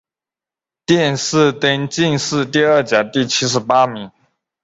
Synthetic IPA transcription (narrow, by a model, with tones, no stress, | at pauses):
t̪jɛ˥˧nsɹ̩˥˩t̪ə˥nt͡ɕi˥˧nsɹ̩˥˧t̪i˥˧ə˥˩t͡ɕja˨˩˦t̪i˥˩t͡ɕʰi˥ʂ̬ɻ̩˧˥pa˥mi˨˧˦ŋ